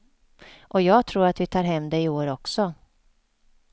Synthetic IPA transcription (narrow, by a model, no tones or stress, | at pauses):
ʔɔjɑːɡt̪ʰɾuːɾat̪vɪt̪ʰɑːɾɦɛmːd̪ɛɪoːɾɔksɔ